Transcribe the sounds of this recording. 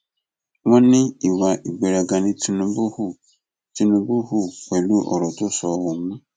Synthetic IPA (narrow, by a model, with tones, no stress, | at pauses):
wɔ̃˦nɪ̃˦i˨wa˨ʔi˨ɡ͡be˨ɾa˨ɡã˨nɪ̃˨tʰu˨nũ˨bʊ˦hu˦ | tʰu˨nũ˨bu˦hu˦k͡pɛ˨lu˦ʔɔ̰˨ɾɔ˨tʊ˦sɔ˨wʊ˨˦mã˦